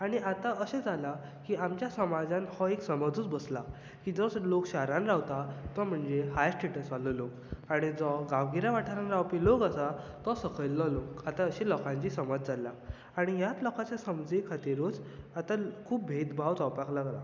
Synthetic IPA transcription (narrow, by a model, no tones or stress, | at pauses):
aɽ̃iat̪aəɕẽd͡zala | kiːamt͡ɕjasəmad͡zãnhɔeksəmad͡zuːt͡sbəsla | kiːd͡zɔlokɕaɾãnɾawt̪at̪ɔm̤əɳd͡zeɦajsʈeʈəsʋalolok | aɽ̃id͡zɔɡaʋɡiɾaʋaʈʰaɾanɾawpilokasat̪ɔsəkʰəjlːɔlokat̪aəɕilɔkãɲt͡ɕiːsəmad͡zd͡zalːa | aɽ̃ijat̪lɔkat͡ɕjasəmd͡zikʰat̪iɾut͡sat̪akʰuːp̚bʱet̪bʱawt͡sawpaklaɡɾa̰